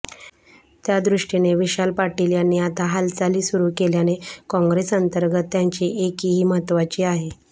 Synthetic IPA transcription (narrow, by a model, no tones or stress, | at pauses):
t̪jad̪ɾuʂʈineʋiɕalpaʈiljanːiːat̪aɦalt͡saliːsuɾuːkeljanekɔ̃ŋɡɾesənt̪əɾɡət̪ːjaɲt͡ɕiʔekiːɦiːmət̪ʋat͡ɕiːaɦe